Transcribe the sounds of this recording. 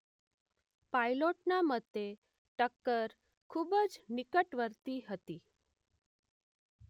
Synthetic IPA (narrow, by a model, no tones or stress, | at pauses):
pailoʈnamət̪ːe | ʈəkːəɾ | kʰubəd͡znikəʈʋəɾt̪iɦət̪i